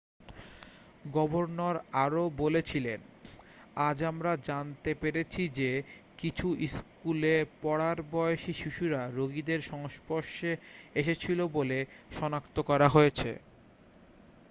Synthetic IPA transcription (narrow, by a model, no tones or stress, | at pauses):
ɡɔboɾnoɾaɾobolet͡ɕʰilen | ad͡ʑamɾad͡ʑant̪epeɾet͡ɕʰid͡ʑekit͡ɕʰuʔiskulepɔɽaɾbɔeoʃiʃiʃuɾaɾoɡid̪eɾʃɔŋspoʃeeʃet͡ɕʰiloboleʃɔnakt̪okɔɾaɦojet͡ɕʰḛ